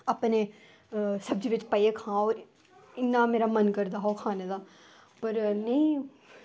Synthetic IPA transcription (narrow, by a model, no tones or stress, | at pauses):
əpneː | səb̚d͡ʒiːʋɪt͡ʃpəekʰãːoːɾ | ɪnːaːmeːɾaːmənkəɾd̪aːɦoːkʰaːned̪aː | pəɾnəĩː